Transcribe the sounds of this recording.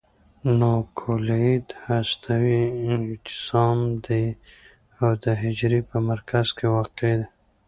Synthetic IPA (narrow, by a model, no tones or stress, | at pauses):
nokʰoleid̪hast̪ʰawiɪnt̪ɪ̥z̥ɑːmd̪e | awd̪əɦɪd͡ʒɾipəmaɾkaz̥kewɑːqed̪e